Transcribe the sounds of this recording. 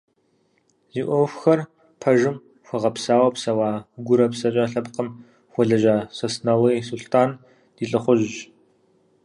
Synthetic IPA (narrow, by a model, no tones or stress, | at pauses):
ziːʔʷɔwfʷxɐr | pʰɐʒɨm | xʷɐʁɐpsaːwɐpsɐwaːɡʷʊɾɐpsɐt͡ʃʼaɬɐpqəm | xʷɔɮɐʒaːsɐsnɐlisuɬtʰaːn | d̥iːɬʼɨχʷʊʑʒ